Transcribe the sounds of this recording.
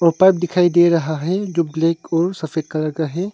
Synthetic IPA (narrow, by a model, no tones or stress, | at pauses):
ɔːɾpaːɪp̚d̪ɪkʰaːid̪eɾɐɦaɦɛd͡ʒoːbleːkɔːɾsɐfeːd̪̚kɐɾəɡaɦɛ